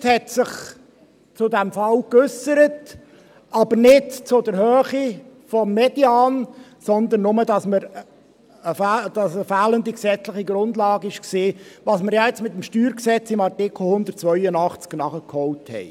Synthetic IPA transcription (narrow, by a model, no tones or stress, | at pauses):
shɛt̪sɪχ | t͡sʊd̪ɛmfɑlkʏsəɾət | ɑbənɪtt͡sʊd̪əɾhœːχifɔmːɛdiɑːnsɔnd̪ənːʊməd̪ɑsməɾ | əfd̪̥ɑsəfæːlənd̪iksɛt͡slɪχiɡɾʊndlɑːɡəɪʃkseːʋɑsməɾjɑjɛt͡smɪt̪əmʃtyːɾksɛt͡sɪmɑrtɪkl̩hʊnd̪ərt̚t͡sʋœʏənɑχt͡sknɑχəkhɔʊthɛ̰ɪ